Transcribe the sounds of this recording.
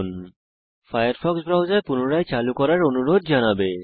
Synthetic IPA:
n | fʰajaɾpʰɔksbɾawd͡ʒajpunuɾajt͡ɕalukɔɾaɾonuɾod̪̚d͡ʒanabe

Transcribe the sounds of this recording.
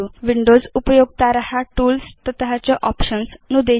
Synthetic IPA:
uʋiɳɖozupəjoɡ̚t̪aɾəɦaʈuːlst̪ət̪əɦat͡ɕaʔɔpɕənsnud̪e

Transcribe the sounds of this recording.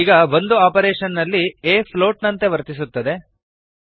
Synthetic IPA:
iːɡɐʋo̞nd̪uaːpɐɾeːʂɐnːɐlːieːpʰlo̞ːʈnɐnt̪e̞ʋɐɾt̪isut̪ːɐd̪e̞

